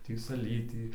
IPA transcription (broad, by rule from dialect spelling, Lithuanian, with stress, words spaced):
ˈtʲiː sɐˈlʲiːtʲiː